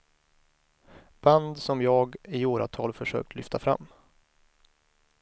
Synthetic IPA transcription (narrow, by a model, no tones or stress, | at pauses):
b̥and̪sɔmjɑːɡɪoːɾa̰t̪ʰɑːlfœʂø̰ːk̚t̪ʰlʏft̪ʰafɾa̰mː